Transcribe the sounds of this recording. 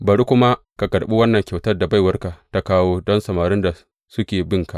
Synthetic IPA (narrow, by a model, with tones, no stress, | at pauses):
bɐ˨ɾu˦kʷʊ˦ma˦ka˨ɡɐ˨ɽɓu˦wɐ˦nːɐ˨ŋkʲɐ˨wtɐ˦rda˨ba˦jwɐ˦rka˨ta˦kaː˦woː˦dɔ˦nsɐ˨maː˨ɾɪ˦nda˨ | sʊ˦kʲeː˨bɪ˦ŋka˨ʔ